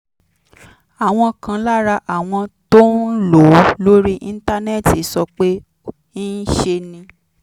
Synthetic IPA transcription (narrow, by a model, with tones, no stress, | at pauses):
a˨w̃ɔ̃˧kʰã˧la˦ɾa˧ʔa˨w̃ɔ̃˧to˦lo˨˦lo˦ɾi˦ʔĩ˧n̩˦ta˧nɛ˦˨ti˨˦sɔ˧k͡pe˦ | i˦n̩˦ʃe˧nĩ˧